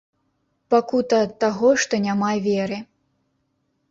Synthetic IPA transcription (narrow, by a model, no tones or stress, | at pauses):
pakut̪ɐt̪ːaɣɔʂt̪ɔnʲamavʲɛɾɨ